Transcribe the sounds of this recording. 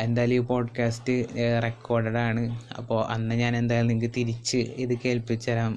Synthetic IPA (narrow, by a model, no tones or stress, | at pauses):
e̞nd̪aːjlijupo̞ːɖkaːstɨrekʰːo̞ːɖɐɽaːɳɨɐ̰pːo̞ːʔɐnːɐɲaːne̞nd̪aːjɐlniŋkːɨt̪iɾit͡ɕːɨiðɨke̞ːlpit͡ɕːɐɾaːm